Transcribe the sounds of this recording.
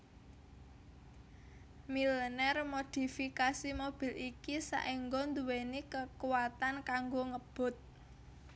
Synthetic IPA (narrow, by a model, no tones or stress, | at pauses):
milənɛrmod̪̥i̤fikasimob̥i̤likisa̰ʔiŋɡɔnd̪uwenikəkuwat̪ankaŋɡoŋəb̥ʊ̤t̪̚